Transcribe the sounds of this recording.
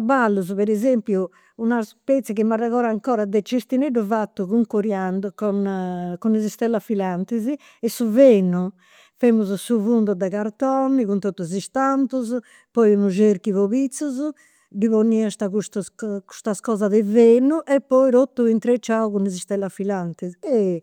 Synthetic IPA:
balːuzuβɛɾɛzempjuː | naspɛt̪sɛkimaraɣɔːɾaŋkɔːɾad̪ɛt͡ʃːest̪ineɽuvat̪ːukuŋkuɾjand̪ukɔnkunezist̪ɛlːafilant̪izi | ɛsuvenu | femuzusuvund̪ud̪ɛkaɾt̪ɔnːikunt̪ot̪ːuzist̪ant̪uz | pɔjunuʒeɾkivoβit̪suzu | diβonːiast̪akust̪uku̥st̪askɔːzaðɛvenuʔɛpːɔjɾot̪ːuint̪ɾet͡ʃːauɣunezist̪ɛlːafilant̪iziɛ

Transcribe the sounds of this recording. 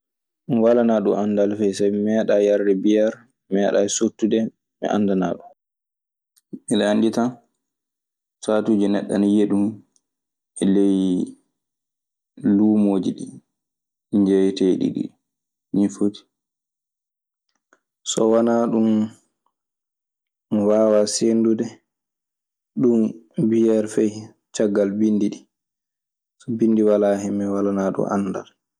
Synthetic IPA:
ɗunwalanaɗumʔandalfɛjsamɛɗajaɾdɛbijaɾ | mɛɗasutːudɛ | mɛ̰ʔa̰ndana̰ːɗum | milaandita | satuːd͡ʒinɛɗːa̰njeɗum | ɛlej | luːmoːd͡ʒiɗḭ | ɲd͡ʒɛjteɗḭɗḭ | nifoti̥ | sɔwanaɗum | mɔwaːwasendudɛ | ɗumbijɛɾfɛj | t͡ʃaɡːalbinːdiɗi | sɔbindiwalaɦimːɛwalanaɗṵmʔa̰nːda̰l

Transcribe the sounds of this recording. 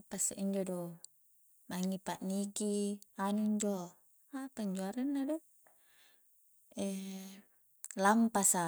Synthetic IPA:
pasa̰ʔiɲd͡ʒɔdo | maŋipaʔnikianuiɲd͡ʒɔ | apaɲd͡ʒuaɾanːado | ɛ | lampasa

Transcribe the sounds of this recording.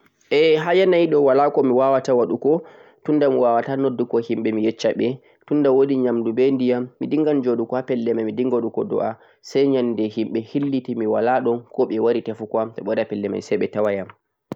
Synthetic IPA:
ʔɛɦajɛnajiɗɔwalakɔmiwawatawaɗukɔ | tundamiwawatanodːukɔhimɓɛmijɛt͡ʃːaɓɛ | tundawodiɲamdubɛndijamːidiŋɡand͡ʒoɗukɔhapɛlːɛmamidiŋɡaɗukɔdɔ̰ʔa | sajɲandɛhimɓɛhilːitimiwalaɗɔnkɔɓɛwaɾitafukamtɔɓɔɾapɛlːɛma̰nsɛjɓɛtawajam

